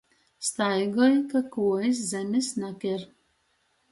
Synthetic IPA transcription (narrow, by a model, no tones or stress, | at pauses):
st̪ajɡɔjkakuːis̬zɛmʲesnakʲɛɾ